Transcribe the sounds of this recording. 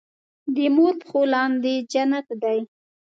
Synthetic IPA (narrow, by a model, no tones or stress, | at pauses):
d̪əmoɾpə̥xolɑnd̪ed͡ʒanat̪d̪aj